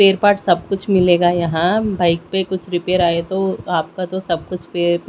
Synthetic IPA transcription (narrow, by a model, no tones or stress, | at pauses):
eːɾpaːɾʈsɐb̚kʊt͡ʃʰmɪleːɡajɐɦãbaːɪk̚pekʊt͡ʃʰɾɪpeːɾaːet̪oaːp̚kat̪osɐb̚kʊt͡ʃʰpeːɾp